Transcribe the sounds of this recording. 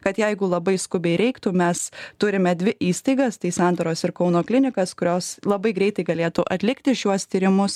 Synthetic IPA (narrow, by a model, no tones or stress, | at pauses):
kɐt̪jɛɪɡʊlˠɐbɐɪskʊbʲɛɪɾʲɛɪkt̪umʲɛst̪ʊɾʲɪmʲɛd̪ʲʋʲɪʔiːst̪ɐɪɡɐst̪ɐɪsɑˑnd̪oːɾoːsɪɾkɐʊnoːklʲɪnʲɪkɐskʊɾʲoːslˠɐbɐɪɡɾʲɛɪt̪ɐɪɡɐlʲeːt̪uʔɐt̪ʲlʲɪkt̪ʲɪʃʲuɔst̪ʲiːɾʲɪmʊs